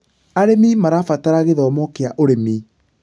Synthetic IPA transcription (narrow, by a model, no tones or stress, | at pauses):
aɾemimaɾafataɾaɣeðɔmɔkeaʔoɾemiː